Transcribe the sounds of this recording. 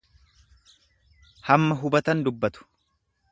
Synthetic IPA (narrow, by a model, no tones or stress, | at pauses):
hɐmːɐɦʊbɐt̪ɐnd̪ʊbːɐt̪ʊ̥